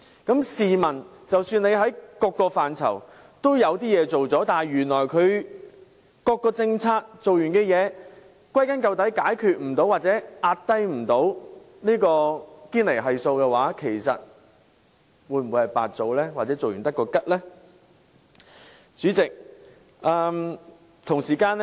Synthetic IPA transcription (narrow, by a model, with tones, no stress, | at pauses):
kɐ˨˥msiː˨mɐ˨˩nt͡sɐ˨wsyː˧ne˨˧jɦɐ˨˥jkɔː˧kːɔː˧faː˨nt͡sʰɐ̰˨˩w | t̪o˥wjɐ˨˧wt̪iː˥jɛː˨˧t͡so˨wt͡sɔː˨˥t̪aː˨˩ɥyː˨˩nlɔː˨˩jkʰɵ˨˧ɥ | kɔː˧kːɔː˧t͡sɪ˧ŋt͡sʰaː˧k̚t͡so˨wjyː˨˩nkɛː˧jɛː˨˧ | kʷɐ˥jkɐ˨˥nkɐ˧wt̪ɐ˨˥jkaː˨˥jkʰyː˨t̚m̩˨˩t̪o˨˥waː˨t̚t͡sɛː˨˦˥ʔaː˧t̚t̪ɐ˥jm̩˨˩t̪o˨˥w | niː˥kɔː˧kiː˥nle˨˩jɦɐ˨jso˧wkɛ˧waː˨˥kʰe˨˩jsɐ̰˨t̚ | wu˨˧˥jm̩˨wu˨˧jhɐ˨˩jpa̰ː˨t̚t͡so˧wlɛː˥waː˨˩t͡sɛː˨˥t͡so˨wjy˨nt̪ɐ˥tkːɔː˧kɐ˥t̚lɛː˥ | t͡syː˨˥t͡sɪ˨k̚ | ʔɐː˨˧ | t̪ʰʊ˨˩ŋsiː˨˩kaː˧n